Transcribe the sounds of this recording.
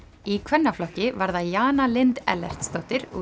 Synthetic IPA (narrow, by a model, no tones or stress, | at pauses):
ikʰvɛnːaflɔhcːɪvaɾðajaːnalɪnt̪ɛ̰lɛ̰r̥t̪st̪owht̪ɪɾu